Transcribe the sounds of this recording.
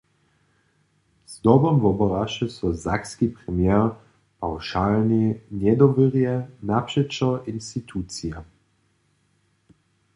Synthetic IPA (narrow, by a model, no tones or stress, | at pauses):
z̥d̪ɔbɔmvɔbɔʁaʃɛsɔzakskipʁɛmjɛʁ | pawʃalninjɛd̪ɔviʁjɛnapʃɛt͡ʃɔʔinst̪it̪ʰuːt̪t͡sija